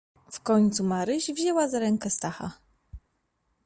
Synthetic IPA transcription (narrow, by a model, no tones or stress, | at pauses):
fkɔɲt̪sumaɾɘʑvʑɛwazaɾɛŋkɛst̪axa̰